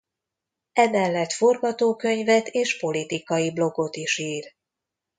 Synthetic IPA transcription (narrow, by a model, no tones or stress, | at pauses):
ɛmɛlːɛt̪fo̞rɡɒt̪oːkø̞ɲvɛt̪eːʃpo̞lit̪ikɒjiblo̞ɡo̞t̪iʃiːr